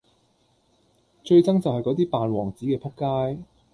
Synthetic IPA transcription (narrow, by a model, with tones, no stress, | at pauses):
t͡ʃɵ˧ɥt͡sɐ˥ŋt͡sɐ˨whɐ˨jkɔː˨˥t̪̬iː˥paː˨nwɔː˨˩ŋt͡siː˨˥kɛː˧pʰʊ˥kːaː˥j